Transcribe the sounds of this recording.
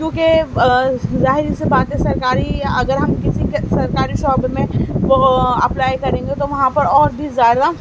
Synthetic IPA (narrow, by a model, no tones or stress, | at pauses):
kjõːke | zaːɦɪɾisebaːt̪ɛ̃sɐɾkaːɾiɐɡəɾɦɐmkɪsikesɐɾkaːɾiʃɔːbɾmẽʋoɐplaːjkɐɾẽːŋɡet̪oʋɐɦãpɐɾɔːɾbʱizaːɪɾa